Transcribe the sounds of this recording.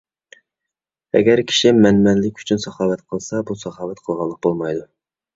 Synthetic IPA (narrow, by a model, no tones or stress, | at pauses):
ɛ̰ɡʲɛɾkʲʰi̥ʃimɛnmɛnlɪkʲy̥t͡ʃʰynsɑχɑːwɛt̪qʰəlˠsɑbusɑχɑːwɛt̪qʰəlˠʁɑlˠːəq̚bolˠmɑjd̪u